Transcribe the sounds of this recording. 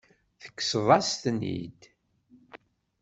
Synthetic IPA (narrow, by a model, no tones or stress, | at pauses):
θə̥kːsvˤɑst̪nḭd̪